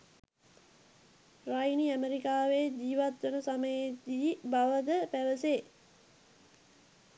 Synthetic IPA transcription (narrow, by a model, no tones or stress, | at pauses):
rajniæmeɾikaːʋed͡ʑiːʋat̪ʋənəsaməjed̪iːbaʋəd̪əpæʋəse